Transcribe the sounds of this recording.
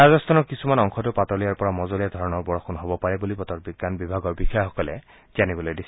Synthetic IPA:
azɔst̪ʰanɔɹkisumanɔŋxʰɔtʊpatɔɹlijaɹpɔɹamɔzɔlijadʱɔɹɔnɔɹbɔɹɔxɔnɦobɔpaɹɛbulipɔtɔt̚biɡːanbibʱaɡɔɹbixɔjɔxɔkɔlɛ̰ | z̥anibɔlojdis

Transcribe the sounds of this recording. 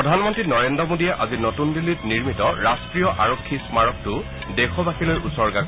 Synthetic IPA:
ɔdʱanmɔntɹinɔɹendɹɔmodijɛʔazinotundilːitniɹmitɔɹastɹijɔʔaɹokʰːismaɹɔk̚tʊ | dekʰɔbakʰilojʔusɔɹɡak

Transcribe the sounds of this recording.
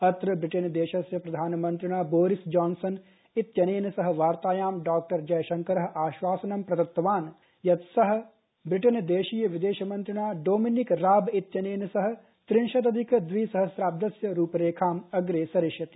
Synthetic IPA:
ɐt̪ɾɐbɾɪʈɐnd̪eːʃɐsjɐpɾɐd̪ʱaːnmɐ̃nt̪ɾɪɽ̃aːboːɾɪsd͡ʒaːnsɐn | ɪt̪jɐneːnsɐɦ̆ʋaːɾt̪aːjaːmɖaːk̚ʈɐɾd͡ʒɐjʃɐŋkɐɾɐɦʔaːʃʋaːsɐnɐmpɾɐt̪ɐt̪ːɐʋaːn | jɐt̪sɐɦ | bɾɪʈənd̪eːʃiːjəʋɪd̪eːʃɐmɐ̃nt̪ɾɪɽ̃aːɖoːminikɾaːbɪt̪jɐneːnsɐɦ̆ | t̪ɾɪnʃɐt̪̬ɐd̪ʱikd̪ʋiːsɐɦɐsɾaːb̚d̪ɐsjɐɾuːpɾeːkʰaːmɐɡɾeːsɐɾɪʃjɐt̪i̥

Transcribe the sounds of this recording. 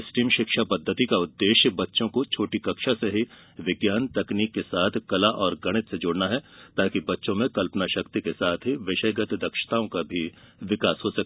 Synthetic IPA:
sʈiːmʃɪkʃapɐd̪ʱːət̪ikaʊd̪ːeːʃbɐtːʃõkot͡ʃʰoːʈikɐkʃaseɦi | ʋɪɡjaːnt̪ɐkniːkːesaːt̪ʰkɐlaʔɔːɾɡɐɽ̃ɪt̪sed͡ʒoːɽnaɦɛt̪aːkibɐtːʃõmẽkɐlpənaʃɐkt̪ikesaːt̪ʰɦiʋɪʃəjɡɐt̪d̪ɐkʃə̥t̪aːõkabʱi | ʋɪkaːsɦoːsɐk̪̚ː

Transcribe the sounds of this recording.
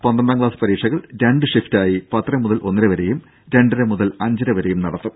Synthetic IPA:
pɐnd̪ɐnɖ̪aːŋɡɭaːspɐɾiːkʂɐɣɐɭɾeɳɖɨʂiftaːjipɐt̪ːrɐmːuðɐlʔo̞nːiɾeʋɐɾe̞jum | ɾeɳɖiɾemuðɐlɐɲd͡ʑɐɾɐʋɐɾejumnɐɽɐt̪ːum

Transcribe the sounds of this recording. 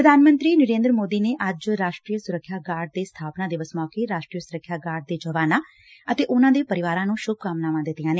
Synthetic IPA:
pɾəd̪ʱaːnmə̃nt̪ɾiːnəɾeːnd̪ɾəmoːd̪iːneːʔəd͡ʒɾaːʃʈɾiːjəsʊɾəkʰːjaːɡaːɖ̚d̪eːst̪ʰaːpnãːd̪eːʋəsmɔːkeːɾaːʃʈɾiːəsʊɾəkʰːjaːɡaːɾɖ̚d̪eːd͡ʒəʋaːnaː | ət̪eːʔʊnãːd̪eːpəɾɪʋaːɾãːnũːʃʊb̚kamnaːʋãːd̪ɪt̪ːɪjãːneː

